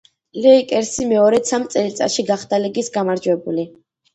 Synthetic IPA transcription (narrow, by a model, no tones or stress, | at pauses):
lɛikʼɛɾsimɛɔɾɛt̪sʰamt̪sʼɛlit̪sʼa̰ʃiɡaχd̪aliɡisɡamaɾd͡ʒwɛbuli